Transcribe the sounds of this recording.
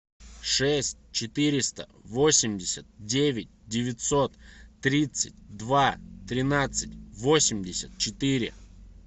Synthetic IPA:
ʂɛsʲt̚ʲt͡ɕɪt̪ɨɾʲɪst̪əvo̞sʲɪmʲdʲɪsʲət̪̚dʲevʲɪt̚ʲdʲɪvʲɪt̪so̞t̪ːɾʲit̪sɨt̚ʲd̪vat̪ɾʲɪnat̪sɨt̚ʲvo̞sʲɪmʲdʲɪsʲət̪̚t͡ɕɪt̪ɨɾʲɪ̰

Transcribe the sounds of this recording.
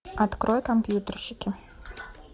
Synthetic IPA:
at̪kɾɔjɛkɐmpʲjut̪ərɕɪkʲɪ

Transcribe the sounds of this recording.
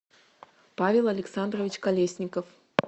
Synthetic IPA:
pavʲɛlˠɐlʲɛksand̪rɐvʲit͡ʃkalʲesʲnʲikɐf

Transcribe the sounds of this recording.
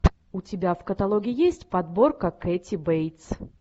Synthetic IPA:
ʊtʲɪbʲafkət̪ɐlˠoɡʲɪjɪjesʲtʲpɐd̪bo̞rkəkɛtʲɪbejt̪s

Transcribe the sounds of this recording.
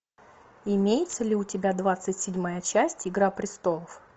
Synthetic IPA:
ɪmʲejɪt̪səlʲɪʊtʲɪbʲad̪vat̪sɨtʲsʲɪdʲmajət͡ɕæsʲtʲɪɡɾapɾʲɪst̪o̞lˠəf

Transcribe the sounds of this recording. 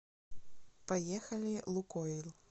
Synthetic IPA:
pajɛxɐlʲilˠukɔilˠ

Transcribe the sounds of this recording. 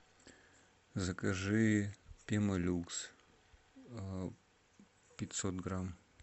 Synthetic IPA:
zəkɐʐɨpʲeməlʲuks | pʲɪt̪ʲsot̪ɡram

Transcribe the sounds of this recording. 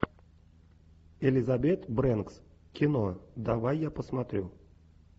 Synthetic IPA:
elʲizabʲet̪brɛnks | kʲinod̪avajːapəsmat̪ɾʲu

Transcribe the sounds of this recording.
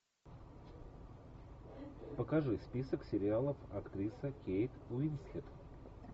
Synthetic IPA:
pəkɐʐɨspʲisəksʲɪɾʲɪalˠəfɐkt̪ɾʲisəkʲejt̪ʊinsxʲɪt̪

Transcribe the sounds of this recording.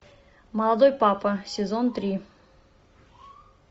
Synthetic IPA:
mɐlˠɐd̪ojpapəsʲɪzont̪ɾʲi

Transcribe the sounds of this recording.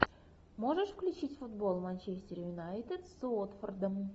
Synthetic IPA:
moʐəʂfklʲʉt͡ɕitʲfud̪bolˠmanʲt͡ɕesʲtʲeɾʲjunɑjt̪ʲet̪sot̪fərd̪əm

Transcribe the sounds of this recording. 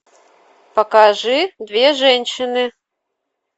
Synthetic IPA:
pəkaʐɨd̪vʲeʐɛnʲɕɪnɨ

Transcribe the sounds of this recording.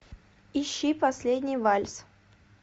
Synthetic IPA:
ɪɕːipɐsʲlʲedʲnʲɪjvalʲs

